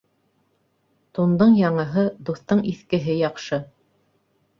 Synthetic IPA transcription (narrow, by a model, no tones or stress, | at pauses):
t̪und̪ɤɴjɑɴɤ̆ɦɤd̪uθt̪ɤɴiθkɘ̆ɦɘjɑqʃɤ